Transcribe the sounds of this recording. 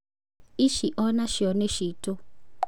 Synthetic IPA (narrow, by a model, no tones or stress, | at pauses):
iʃiʔɔnaʃiɔneʃiːtʰʼɔ